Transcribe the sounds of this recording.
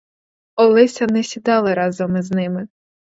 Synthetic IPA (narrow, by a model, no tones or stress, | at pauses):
ɔlˠɪsʲɐnɛsʲid̪ɑlˠɪɾɑzɔmɪznɪmɪ